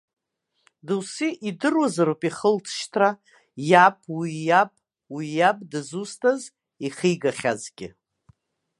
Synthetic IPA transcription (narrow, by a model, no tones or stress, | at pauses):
dɨwsiʔidɨrwazaɾopʼiχəlt͡sʰʃtʰra | japʰwijapʼ | wijab̚ʼdɨzustʰaz | iχiɡaχʲazɡʲɪ̰